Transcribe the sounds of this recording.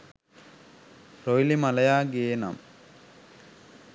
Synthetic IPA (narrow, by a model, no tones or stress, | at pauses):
ɾojlimalɐjaːɡeːna̰m